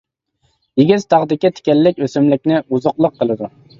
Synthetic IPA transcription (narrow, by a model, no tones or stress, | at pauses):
jiɡʲiz̥t̪ʰɑʁd̪ɪkʲit̪ʰe̥kʲɛlːɪkʲøsɪmlɪkʲnɪuzʊqlˠəqʰːəlˠɨd̪u